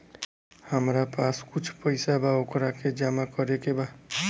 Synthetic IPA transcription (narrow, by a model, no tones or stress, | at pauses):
həmɾapaskut͡ʃʰpəɪsabaokɾaked͡ʒamakʌɾekeba